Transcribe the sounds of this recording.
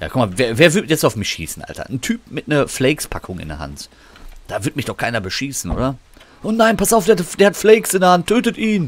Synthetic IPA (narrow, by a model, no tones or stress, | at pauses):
ja̰ːkʊkmaveːɐveːɐvɪɐtjɛt͡saʊfmɪçʃḭːsn̩ʔa̰ltʰɐ̰n̩tʰyːp̚mɪtnɐflɛɪkspʰakʰʊŋɪ̰ndɛ̰ɐɦa̰nt | d̥aːvɪɐtmɪçd̥ɔχkʰaɪnɐbəʃiːsn̩ʔo̰ːdɐ | ʔʊnnaɪnpastaʊfd̥eːd̥eːɐhatflɛɪksɪndɛɐhantʰːøːtətʔiːn